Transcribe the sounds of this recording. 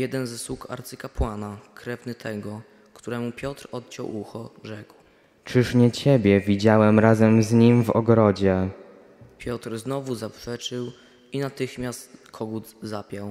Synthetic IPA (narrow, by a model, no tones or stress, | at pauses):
jɛd̪ɛnzɛswuka̰ɾt̪sɘkapwanakɾɛvnɘt̪ʰɛɡɔ | kt̪uɾɛmupʲjɔt̪ɾɔt̪̚t͡ɕɔ̰wuxɔʐɛkw | t͡ʂɘʂɲɛt͡ɕɛbʲjɛvʲid͡ʑawɛmɾazɛmzɲimvɔ̰ɡɾɔd͡ʑɛ | pʲjɔt̪ɾznɔvuzapʂɛt͡ʂɘw | inat̪ɘxmʲjast̪kʰɔɡud̪zapʲjaw